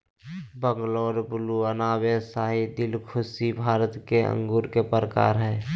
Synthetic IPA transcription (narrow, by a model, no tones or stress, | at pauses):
bəŋɡloːɾbʊluənaːbesaːɦid̪ɪlkʰʊsibʱaːɾət̪keə̰̃ŋɡuːɾkepɾəka̰ːɾɦɛː